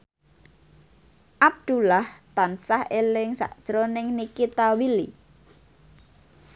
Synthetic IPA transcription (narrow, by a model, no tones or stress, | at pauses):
ʔab̚d̪̥ulaht̪ansahelɪŋsa̰ʔd̥ʒ̥ɾonɪŋnikit̪awilḭ